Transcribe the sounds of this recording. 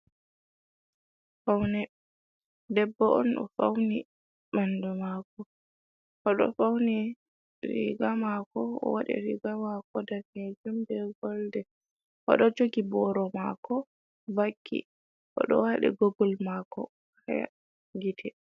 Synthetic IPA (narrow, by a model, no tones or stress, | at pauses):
fawnɛ | dɛbːɔʔɔnɔ̰fawni | mandumakɔ | ʔɔɗɔ̰fawni | ɾḭɡamakɔɔ̰waɗɛ̰ɾḭɡamakɔdamed͡ʒumbɛɡɔldɛ | ʔɔ̰ɗɔd͡ʒoɡibɔɾɔmakɔ | vakʰːḭ | ʔɔ̰ɗɔ̰waɗɛ̰ɡoɡɔlmakɔ | haja̰ | ɡitʰɛ